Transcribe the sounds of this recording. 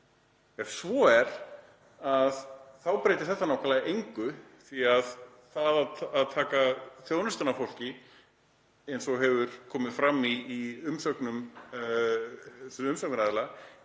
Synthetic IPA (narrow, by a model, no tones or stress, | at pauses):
ɛsvɔɛɾ | aðθawpɾeːjt̪ɪ̥θɛht̪ːanawkalaðɪʔejŋkʏθiað | θaðaðːðt̪ʰaːkaθjoːwnʏst̪anːafowl̥cɪ | ɛjnsɔɦɛvʏɾ̥kʰɔːmɪð̥fɾamːiːʏmsœknʏm | ʏmsœk̚nɾaːðɪla